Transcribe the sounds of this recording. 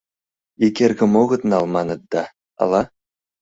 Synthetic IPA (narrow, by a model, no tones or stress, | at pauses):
ikʲerʲɡɤ̆moɣɤ̆t̪nɑlˠmɑnɤ̆t̪̚d̪ɑ | ɑ̰lˠɑ